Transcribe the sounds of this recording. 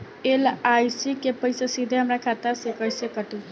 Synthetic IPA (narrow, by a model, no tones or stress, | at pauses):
elajsikepəjsasid̪ʱeɦəmɾakʰat̪aɾsekəjsekəʈu